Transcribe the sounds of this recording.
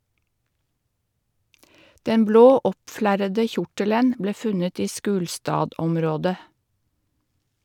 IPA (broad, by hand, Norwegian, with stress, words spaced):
ˈdɛn ˈbloː ˈɔpˌflæɾədə ˈçʊʈələn ˈbleː ˈfʉnət ˈiː ˈʃʉːlstɑːˌdɔmɾoːdə